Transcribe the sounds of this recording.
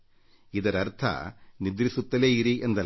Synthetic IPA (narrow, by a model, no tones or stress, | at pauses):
id̪ɐɾɐɾt̪ʰɐ̰nid̪ɾisut̪ːɐleːiɾiʔend̪ɐ